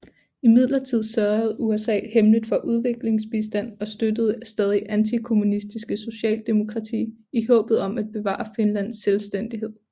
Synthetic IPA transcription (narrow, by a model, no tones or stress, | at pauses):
imið̞̰ˠlɐt͡sʰið̰ˠsɶɐð̩ˠuesɛ̰ːhemləd̥ˠfɒ̽ʔuð̞ˠʋe̝ɡ̥le̝ŋsb̥isd̥æn̰ɒ̽sd̥ød̥əð̞̩ˠsd̥ɛːðˠiʔænt͡sʰikʰo̝munisd̥isɡ̥əso̝ɕɛ̰ːld̥e̝mo̝kʰʁɑ̈t͡sʰḭːihɔ̰̽ːb̥ð̩ˠɒ̽mæd̥̚b̥e̝ʋɑ̰̈ːɑfinlæn̰sːelsd̥en̰d̥iɦe̝ð̰ˠ